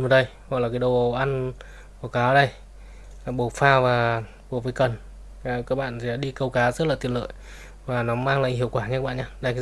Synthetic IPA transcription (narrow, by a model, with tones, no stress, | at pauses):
məː˨˩ɗə˧jhɔ̰˧˨laː˨˩kaː˨˦ɗo˨˩ʔa˧n | ɓo˨˩wkaː˨˦wɗə˧˩j | ɓo˨˩faː˧vaː˨˩ | ɓo˨˩vəː˨˦jkə˨˩n˨˩ | kaː˦˥k̚ɓa̰ː˧˨sʰɛ̰˧ɗaː˧˥ɗi˧kə˧wkaː˨˦zə˦˥t̚laː˨˩t̪i˨˩ənlə̰ː˧˨j | vaː˨˩nɔ˨˦maː˧ŋla̰ː˧˨ɦḭ˧˨əwkwaː˧˩ɲ˧kaː˦˥ɓa̰ː˧˨˩ɲaː˧ɗa˧˩k